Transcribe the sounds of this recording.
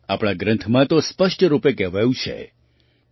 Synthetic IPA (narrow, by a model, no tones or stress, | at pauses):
apɽ̃ãɡɾə̃nt̪ʰmãt̪ospəʂʈɾupekɛʋajũt͡ʃʰḛ